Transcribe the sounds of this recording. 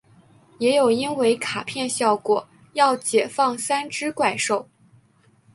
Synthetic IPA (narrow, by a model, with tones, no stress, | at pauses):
jɛ˧˥jo˨˩ʊi˥nwe˧˥ɪkʰa˨˩pʰjɛ˥˧nɕjɑ˥˩ʊkwɔ˨˩˦ | jɑ˥˩ʊt͡ɕjɛ˨˩fɑ˥˩ŋsa˥nʈ͡ʂɻ̩˥kwa˥˩ɪʂo˥˩ʊ